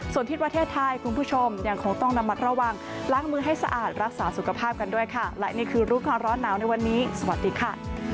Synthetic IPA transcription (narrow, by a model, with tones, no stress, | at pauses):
su˨˩ənt̪i˦t̪̚pɾa˧t̪ʰeː˥˩t̪ʰːa˧jkʰu˧npʰuː˥˩t͡ɕʰo˧mja˧ŋkʰo˧ŋt̪ɔ˥˩ŋna˧mːa˧t̪̚ɾa˧wa˧ŋ | laː˦˥ŋmɯː˧ɦa˥˩jsa˧ʔa̰ː˨˩t̪̚ɾa˦˥k̚saː˩˦su˨˩kʰa˧pʰaː˥˩p̚ka˧ndu˥˩əjkʰa˥˩lɛ˦˥ʔniː˥˩kʰɯː˧ɾuː˦˥kaː˧nɾɔː˦˥nːaː˩˦wna˧jwa˧nːiː˦˥sa˧wa˨˩t̪̚diː˧kʰa˥˩